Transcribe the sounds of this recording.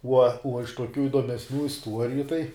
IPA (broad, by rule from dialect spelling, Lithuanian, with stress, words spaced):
uɔ uɔ ɪʃ tuɔˈkʲuː ɪduɔmʲɛsʲˈnʲuː ɪsˈtuɔrʲɪjʊ tɐɪ